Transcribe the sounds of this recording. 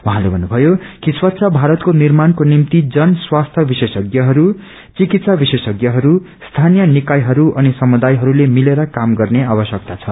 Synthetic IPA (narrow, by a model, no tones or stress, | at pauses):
wuɦãlebʱʌnːubʱʌjokiswʌt̪ːsʰʌbʱaɾʌt̪konirmankonimt̪id͡zʌnswast̪ʰjʌbisesʌɡjʌɦʌɾu | t͡sikit̪sabisesʌɡjʌɦʌɾu | st̪ʰanijʌnikajɦʌɾuʔʌnisʌmud̪ajɦʌɾulemileɾʌkamɡʌrneabʌsjʌk̚t̪at͡sʰʌ